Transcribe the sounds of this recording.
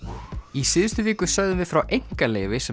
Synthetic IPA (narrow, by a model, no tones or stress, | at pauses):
isɪðʏst̪ʏviːkʏsœɣðʏvɪðfɾawʔejŋ̥kalɛ̰ːvɪsɛ